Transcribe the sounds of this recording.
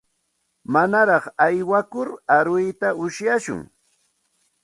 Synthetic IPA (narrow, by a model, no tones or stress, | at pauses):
manaɾɑχajwakʊɾaɾʊjt̪aʊʃjaʃʊ̰ŋ